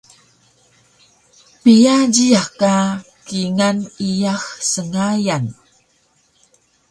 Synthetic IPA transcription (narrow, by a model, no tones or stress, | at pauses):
pijaɟiaka | kiŋanijaxsəŋajan